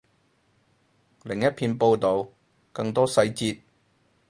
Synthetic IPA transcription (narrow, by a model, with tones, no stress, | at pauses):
lɪ˨˩ŋjɐ˥t̚pʰiː˧npo˧wt̪o˨w | kɐ˧ŋt̪ɔː˥sɐ˧jt͡siː˧t̚